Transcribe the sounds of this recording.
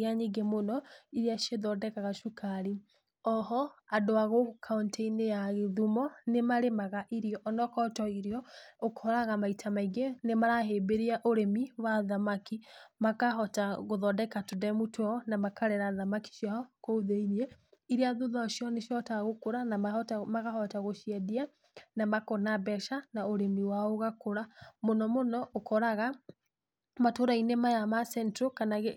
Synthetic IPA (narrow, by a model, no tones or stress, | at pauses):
aɲiɡemonɔiɾiaʃeðɔdɛkaɣaʃukaɾi | ɔhɔadoaɣokʰaunteinejaɣeðumɔnemaɾemaɣaʔiɾiɔʔːnɔkɔtɔiɾiɔokhɔɾaɣamaitʰamaiɡenemaɾaɦebeɾiaʔoɾemiwaðamakimakaɦɔtaɣoðɔdɛkatodɛmutɔnamakaɾɛɾaðamaki̥ʃjaɔkoðeiniɛiɾeaðoðaʃjɔneʃjɔtaɣokoɾanaatamaɣahɔtaɣoʃiɛdia | namakonabɛʃanaoɾemiwaoɣakoɾamonɔmonɔʔokʰɔɾaɣa | matoɾainemajamasɛntɾokanaɣe